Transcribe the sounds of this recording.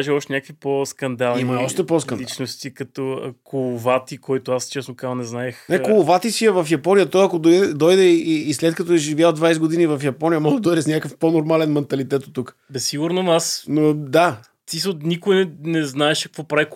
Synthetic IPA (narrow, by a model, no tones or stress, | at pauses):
aʒiɔʃt̪ɛnʲjakvipɔskɐnd̪alˠimɐɔʃt̪ɛpɔskkɐnlit͡ʃnost̪ikɐt̪ɔkʰolˠovat̪ikɔjt̪oast͡ʃɛsnokaznɛznaɛxnakolˠʊvat̪isiəvɐfjɐpɔnijɐt̪ɔjɐkod̪ɔjd̪ɛd̪ɔjd̪ɛiːslɛt̪kɐt̪ɔɛʒivʲjad̪vajsɛɡod̪inivɐfjɐpɔnijɐmɔd̪ɔjd̪ɛsnʲakkəfponoɾmalɛnmɛnt̪ɐlit̪ɛt̪ot̪ːuk | bɛsːiɡʊɾnomasnod̪a | t̪isnikʊj̪ɛnɛznaɛʃɐkvɔpɾaik